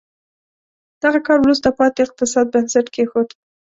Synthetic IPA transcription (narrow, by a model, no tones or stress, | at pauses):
d̪̥aɣakɑɾwɾust̪apɑt̪eɪq̚t̪ɪsɑd̪̚bansaʈkexod̪